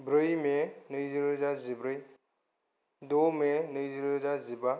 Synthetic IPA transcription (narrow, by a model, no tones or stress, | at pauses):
bɾɯjmenɯjziɾɯzazibɾɯj | dɔmenɯjziɾɯzaziba